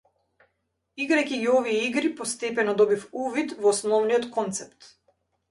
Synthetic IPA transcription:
iɡɾajkiɡiɔvijɛiɡɾipɔst̪ɛpɛnɔd̪ɔbifuvit̪vɔːsnɔvnijɔt̪kɔnt̪sɛpt̪

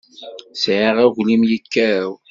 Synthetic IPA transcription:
sʕiʁæʝlimjəkːæɾw

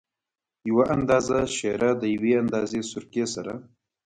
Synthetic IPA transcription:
jawaʔand̪ɑzaʃeɾad̪əjaweand̪ɑzesʊɾkesaɾa

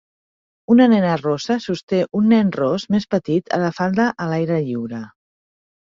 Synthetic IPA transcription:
unənɛnərosəsust̪eʔunːɛnrozmespət̪it̪ʰə̰ðəfalˠd̪əʔəlajɾəʎiwɾə

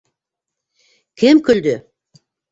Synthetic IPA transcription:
kʲʰemkʲʏld̪ɪ

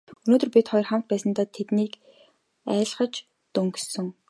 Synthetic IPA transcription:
ɵnoːt̪ɵ̆rpʲit̪χɔjɞ̆rχam̥t̪̚pæːsə̆nt̪aːt̪ʰet̪niːk | æ̰ːɮχə̆t͡ɕ | t̪ɵŋksɵ̆ŋ

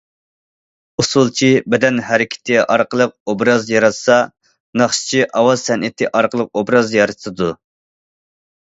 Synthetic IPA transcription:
usulˠt͡ʃʰibɛd̪ɛnhɛɾɪkʲʰɪ̥t̪ʰɪʔɑɾqəlˠəq̚obɾɑzjɑɾɑt̪sɑ | nɑχʃi̥t͡ʃʰiʔɑwɑzsɛnʔɪt̪ʰɪʔɑɾqəlˠəq̚obɾɑzjɑɾɨt̪ʰɨd̪u

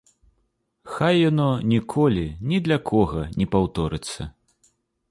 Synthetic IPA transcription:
xajːanɔnʲikʰɔlʲinʲid̪lʲɐkʰɔɣɐnʲɛpawt̪ɔɾɨt̪sːɐ̰

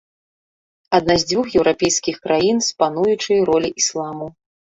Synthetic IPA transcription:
ɐd̪nazʲd͡zʲvʲuxjɛwɾʔapʲɛjskʲixkɾajinspanujut͡ʂɨjɾɔlʲiʔislˠamu

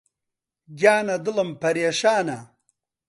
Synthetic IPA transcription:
ɡʲaːnɐd̪ɨlɐmpɐɾjeʂaːnɐ

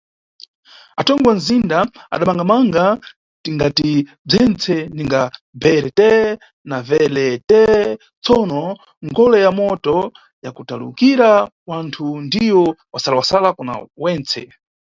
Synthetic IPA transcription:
atɔŋɡwan̩zindaa̰ɗamaŋɡamaŋɡa | tiŋɡati | b͡ʐɛnt͡sʰɛniŋɡa | bɛɾɛtɛ | navɛlɛtɛ | t͡sɔnɔ | ŋɡɔlɛjamɔtɔ | jakutalṵkiɾawantʰundiwɔwasalawasalakuna̰wɛːnt͡sʰɛ̰

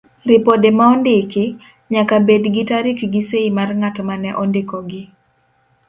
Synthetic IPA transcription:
ɾɪpodemaɔndɪkɪ | ɲakabedɡɪtaɾɪkɡɪseimarŋatmanɛʔɔndɪkɔɡɪ

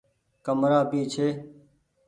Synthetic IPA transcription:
kəmɾaːpiːt͡ʃʰeː

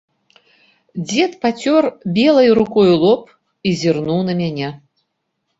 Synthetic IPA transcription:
d͡zʲɛt̪pat͡sʲɔrbʲɛlˠɐjɾukɔjulˠɔp | izʲirnuwnɐmʲanʲɛ

